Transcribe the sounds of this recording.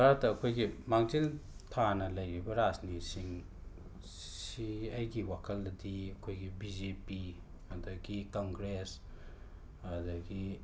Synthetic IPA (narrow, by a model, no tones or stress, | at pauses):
baɾatːɐːkʰojɡimaŋziltʰanɐlɐjɾibɐɾasnisiŋ | siɐjɡiwakʰɐldɐdiɐkʰojɡibid͡ʒepi | ɐdɐɡikoŋɡɾes | dɐɡi